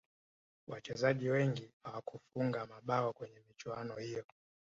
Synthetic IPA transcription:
wat͡ʃɛzaʄiwɛŋɡihawakufuŋɡamaɓaɔkwɛɲɛmit͡ʃwanɔhijɔ

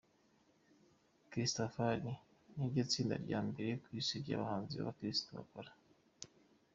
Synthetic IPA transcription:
kɾistofani | niɾɟot͡siːnda̰ɾɟaːmbe̞ɾekwisiɾɟa̰βahaːnziβa̰βakɾistoβa̰koɾḁ

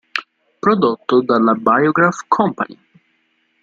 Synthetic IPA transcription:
pɾɔd̪ɔt̪ɔd̪alabajɔɡɾafkʰɔ̃mpa̰nʲi

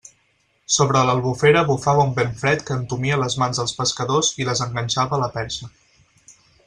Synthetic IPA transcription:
soβɾələlˠβufeɾəβufaβəumbeɱfɾɛt̪kəːnt̪umiələzmanzðəlˠspəskəðoziləzəŋɡənʲʃaβəːləpɛɾsə

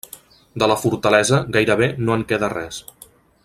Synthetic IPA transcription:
d̪ələfuɾt̪əlɛzəɣajɾəβ̞enoəŋkɛðərɛs

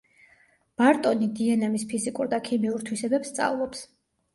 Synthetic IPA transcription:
b̥aɾt̪ʼɔnid̪iɛnamispʰizikʼuɾd̪akʰimiuɾt̪ʰwisɛbɛpst̪sʼa̰vlˠɔps

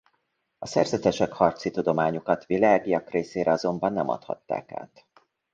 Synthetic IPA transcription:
ɒsɛ̰rzɛt̪ɛʃɛkhɒrt̪sit̪ud̪o̞maːɲukɒt̪ʋilaːɡijɒkreːseːɾɛɒzo̞mbɒnːɛmɒ̰t̪hɒ̰t̪ːa̰ːka̰ːt̪

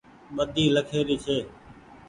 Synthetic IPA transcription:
ɓəd̪ʱiːləkʰeːɾiːt͡ʃʰeː

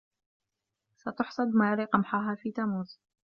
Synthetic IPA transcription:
sat̪ʊħsˤɑd̪maːɾiqɑmħaɦaːfiːt̪aːmuːz

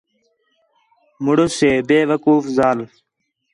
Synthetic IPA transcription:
muɽoseːbeːʋəkuːfzaːl

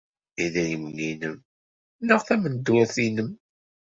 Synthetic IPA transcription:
iðæjəmninəm | nəʁθæmənd̪wæθinəm

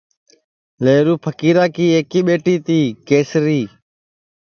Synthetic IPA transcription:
leːɾuːpʰəkiːɾaːkiːeːkiːɓeːʈiːt̪iːkeːsɾiː

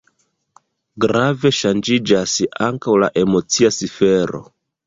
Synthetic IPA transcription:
ɡɾave̞ʃand͡ʒid͡ʒasaŋkawla̰ʔe̞mo̞t͡siasife̞ɾo̞̰

